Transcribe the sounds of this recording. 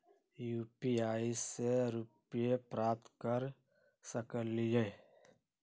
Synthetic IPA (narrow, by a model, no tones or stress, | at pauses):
juːpiaːiseɾʊpjepɾaːp̚t̪kəɾ | səkəllijẽː